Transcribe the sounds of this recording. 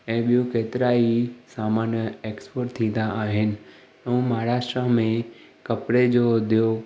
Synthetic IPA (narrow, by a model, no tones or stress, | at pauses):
ɛ̃ːɓijũkeːt̪ɪɾaːisaːmaːnjəeːkspoːʈt̪ʰĩːn̆d̪aʔaːɦɪnɪ̆ | ɐũmaɦɾaːʃʈɾamẽkɐpɾed͡ʑoːd̪ijo